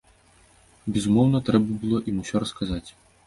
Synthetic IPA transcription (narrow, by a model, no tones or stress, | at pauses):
bʲɛzumɔwnɐt̪ɾɛbɐbɨlˠɔʔimusʲɔɾɐskazat͡sʲ